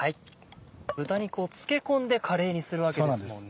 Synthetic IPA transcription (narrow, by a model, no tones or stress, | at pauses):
hai | b̥ɯ̟t̪aɲ̟iko̞ːt͡sɨ̥ke̞kõ̞nd̪e̞kʰaɾe̞ːɲ̟isɨɾɯ̟βake̞de